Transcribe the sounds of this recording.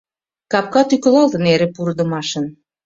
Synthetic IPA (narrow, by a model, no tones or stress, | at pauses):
kɑp̚kɑt̪yklɑlt̪ə̆neɾepuɾd̪ə̆mɑʃə̆n